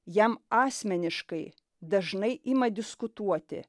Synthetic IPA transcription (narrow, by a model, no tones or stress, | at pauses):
jɛmɑːsʲmʲɛnʲɪʃkɐɪ | d̪ɐʒnɐɪʔiːmɐd̪ʲɪskʊt̪uɔt̪ʲɪ̰